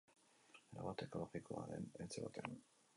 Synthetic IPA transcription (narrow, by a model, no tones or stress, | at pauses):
eɾa̰βat̪eko̞loɣikoaɾḛnet͡seβat̪ean